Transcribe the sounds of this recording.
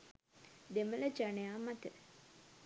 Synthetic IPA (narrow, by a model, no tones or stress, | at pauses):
d̪emələd͡ʒanejaːmat̪ə